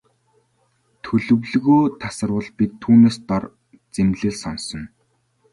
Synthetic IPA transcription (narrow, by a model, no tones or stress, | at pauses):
t̪ʰɵɮɵ̆wɮɣoːt̪ʰasə̆rwə̆ɮpit̪ʰːuːneːst̪ɔr | t͡semɮɘ̆ɮsɔnsɞ̆n